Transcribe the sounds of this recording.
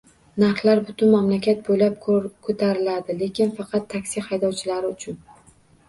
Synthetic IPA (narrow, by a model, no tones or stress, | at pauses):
naɾχlˠaɾbʊt̪ʰʊnmamlakʲʰat̪̚bojlap̚kʰot̪ʰaɾɪlad̪ɪle̞kʲʰɪnfɑqʰɑt̪ʰːakʲsihajd̪ɒwt͡ʃʰɪlaɾɪʊt͡ʃʰʊn